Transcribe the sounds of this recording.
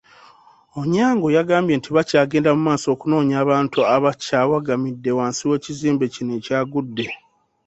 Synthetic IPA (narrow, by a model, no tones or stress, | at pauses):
oɲaːŋɡo̞jaɡaːmbje̞ːntʰiβacaːɡe̞ːndamumaːso̞ːkuno̞ːɲaːβaːntuaβacaːwaɡamidːe̞waːnsiwe̞ːciziːmbe̞cineːcaːɡudːe̞